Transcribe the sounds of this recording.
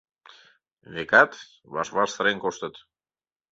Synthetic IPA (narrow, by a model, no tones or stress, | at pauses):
βekɑt̪ | βɑ̰ʃβɑrsəɾeŋkoʃt̪ət̪